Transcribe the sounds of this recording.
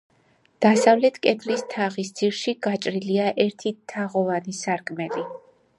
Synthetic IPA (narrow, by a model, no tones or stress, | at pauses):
d̪̥asavlɛt̪ʰkʼɛd̪list̪ʰaʁisd̪z̥iɾʃiɡat͡ʃʼɾiliaʔɛɾt̪ʰit̪ʰːaʁɔvanisaɾkʼmɛli